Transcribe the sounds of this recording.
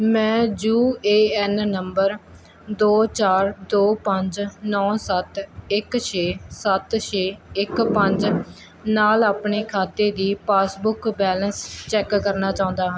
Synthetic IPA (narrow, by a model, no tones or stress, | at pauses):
mɛ̃ːd͡ʒuːeːɛnnəmbəɾ | d̪oːt͡ʃaːɾd̪oːpəɲd͡ʒnɔːsət̪ɪkt͡ʃʰeːsət̪ʃʰeːɪkpəɲd͡ʒ | naːlaːpɳeːkʰaːt̪eːd̪iːpaːsbʊkbɛːlənst͡ʃɛːkːəɾnaːt͡ʃaːʊ̃ːnd̪aːɦaː